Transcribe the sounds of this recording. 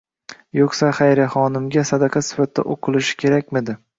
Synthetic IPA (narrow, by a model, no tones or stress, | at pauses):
joqsaχajɾaχɒnɪmɡʲasad̪ɑqʰɑsɪ̥fat̪̚d̪a̰ʔoqʰɨlˠɪʃɪ̥kʲʰe̞ɾakʲmɪd̪ɪ